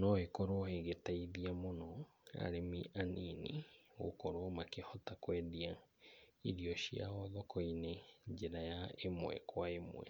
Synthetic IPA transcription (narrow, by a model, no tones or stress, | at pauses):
nɔhekɔɾwɔheɣetaiðiamonɔa̰ɾemiʔaninḭo̰kɔɾwɔmakehɔtakwɛðia | iɾiɔʃia̰ɔðɔkɔineɲd͡ʒeɾajaemwɛ̰kwaemwɛ̰